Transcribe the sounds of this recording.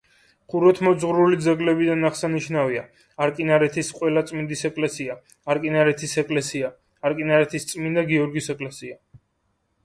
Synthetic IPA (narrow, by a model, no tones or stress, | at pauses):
χuɾɔt̪ʰmɔd̪zʁɾulid̪zɛɡlɛbid̪anaχsaniʃnaviaː | ɾkʼinaɾɛt̪ʰisqʼwɛlat̪sʼmind̪isɛkʼlɛsia | aɾkʼinaɾɛt̪ʰisɛkʼlɛsia | aɾkʼinaɾɛt̪ʰist̪sʼmind̪aɡiɔɾɡisɛkʼlɛsia